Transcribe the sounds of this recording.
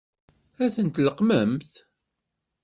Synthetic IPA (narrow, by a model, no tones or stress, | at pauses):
æθənt̪ləqməmθ